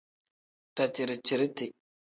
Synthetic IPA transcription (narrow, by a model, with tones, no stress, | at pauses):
ta˨t͡ʃi˨ɾi˨t͡ʃi˨ɾi˦ti˨